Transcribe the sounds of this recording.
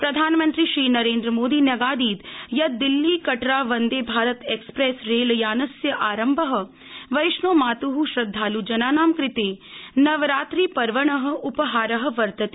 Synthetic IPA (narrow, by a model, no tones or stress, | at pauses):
pɾɐd̪ʱaːnmɐ̃nt̪ɾiʃɾiːnɐɾẽːnd̪ɾəmoːd̪iːnɐɡaːd̪iːd̪jɐd̪ɪlːikɐʈɾaːʋɐnd̪eːbʱaːɾət̪eːkspɾeːsɾeːljaːnɐsjɐʔaːɾɐmbʱəɦə̆ | ʋɐjʃnoːmaːt̪uɦuʃɾɐd̪ʱːaːlud͡ʒɐnaːnaːmkɾɪt̪eːnɐʋɾaːt̪ɾiːpɐɾʋəɳ̃ɐɦə̆ʊpɐɦaːɾɐɦə̆ʋɐɾt̪ɐt̪i